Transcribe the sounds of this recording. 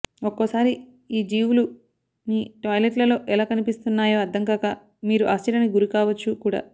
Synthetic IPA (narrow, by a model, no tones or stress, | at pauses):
okːosaːɾi | iːd͡ʒiːʋulu | niːʈɐːjleʈlɐlo̞ːʔɛlaːkɐnipist̪unːaːjoːɐd̪ʱːɐŋkaka | miːɾuʔaːst͡ʃiɾɐniɡuɾikaːʋɐt͡ʃːukuːɽa̰ː